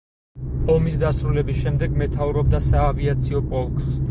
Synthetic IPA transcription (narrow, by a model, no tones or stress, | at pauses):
ɔmisd̪asɾulɛbisʃɛmd̪ɛɡmɛt̪ʰauɾɔb̚d̪asaːviat̪sʰiɔpʼɔlˠkʼs